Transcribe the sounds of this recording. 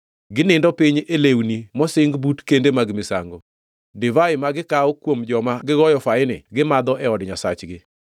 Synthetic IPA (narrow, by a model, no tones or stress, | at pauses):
ɡɪnɪndɔpiɲelewnimɔsɪŋɡbutkendemaɡmɪsa̰ŋɡo | dɪvaɪmaɡɪkaokwomd͡ʒɔmaɡɪɡɔjɔfaɪnɪɡɪmad̪ɔʔɛɔdɲasat͡ʃɡɪ